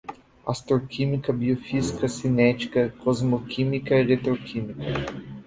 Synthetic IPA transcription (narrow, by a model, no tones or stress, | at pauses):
a̰st̪ɾokʰimikɐbiofizikɐsinɛt͡ʃi̥kɐkʰɔzmokʰimikɐiʁet̪ɾokʰimikʰɐ